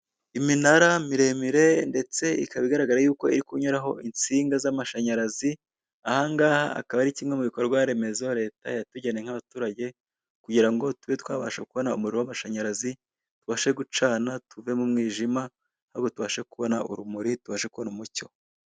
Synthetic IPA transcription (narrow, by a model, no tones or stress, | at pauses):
iminaɾamiɾe̞miɾe̞nde̞t͡se̞ḭkaβiɡaɾaɡaɾajuːko̞iɾikuɲoɾaɦo̞int͡siːŋɡazamaʃaɲaɾazi | ahaŋɡaːha̰a̰kaβaɾiciːmŋe̞muβikoɾɾɡwaɾe̞me̞zo̞ɾe̞ːta̰jatuɟeneŋhaβatuːɾaɟe̞ | kuɟiɾaŋɡo̞tuβetwaːβa̰ːʃakuβo̞naṵmuɾeɾowamaʃaɲaɾazi | tuβaːʃeɡut͡ʃaːnatuve̞mumŋiːʒima | haɾɡo̞tuβaːʃekuβo̞naʔṵɾumuɾituβaːʃekuβonumuco̞̰